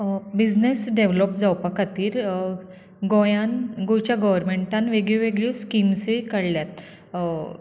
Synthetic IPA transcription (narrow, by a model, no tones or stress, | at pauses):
bid͡znesɖeʋlɔp̚d͡zawpakat̪iːɾ | ɡõjanɡot͡ɕjaɡəʋəɾmeɳʈanʋeɡɭiʋeɡɭuskimsikəɽljat̪̚